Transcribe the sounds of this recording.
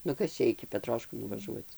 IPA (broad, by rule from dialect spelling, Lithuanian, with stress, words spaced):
nʊ ˈkɐs t͡ʃʲɛ ɪkʲɪ pʲɛˈtroːʃkuː nʊʋɐˈʒuɔt͡s